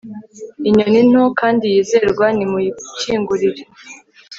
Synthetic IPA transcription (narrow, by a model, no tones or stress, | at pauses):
iɲonin̥hokaːndijiːze̞ɾɡwanimuciːŋɡuɾiɾe